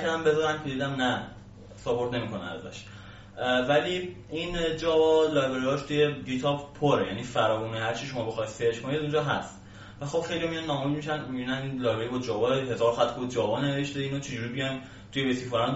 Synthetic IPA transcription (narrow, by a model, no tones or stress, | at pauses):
kʰæd̪æmbe̞zɒːɾæmcʰed̪iːd̪æmnæ | sobo̞ɾt̪ne̞miːkʰo̞næ̰næ̰zæ̰ʃ | væliind͡ʒɒːvɒlɒːjbeɾijɒʃt̪ʰuje̞ɟit̪ʰɒbpʰoɾejænifæɾɒːvuːnehæɾt͡ʃʰiʃo̞mɒːbexɒjd̪seɾt͡ʃkʰonidæzũnd͡ʒɒɦæst̪ | væxo̞b̥xejliomijɒnːɒːmujmiʃænmibinæninlɒːjbeɾibɒd͡ʒɒːvɒɦe̞zɒːɾxæt̪ʰkod͡ʒɒːvɒne̞ve̞ʃt̪eiːnot͡ʃʰed͡ʒuːɾibijɒjn | t̪ʰujebesifoɾan